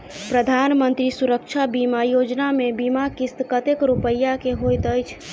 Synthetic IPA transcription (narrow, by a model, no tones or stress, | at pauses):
pɾəd̪ʱanmənt̪ɾisuɾəkt͡ʃʰabimajod͡ʒnamebimakist̪kət̪ekɾupəjːakeɦojt̪əjt͡ʃʰ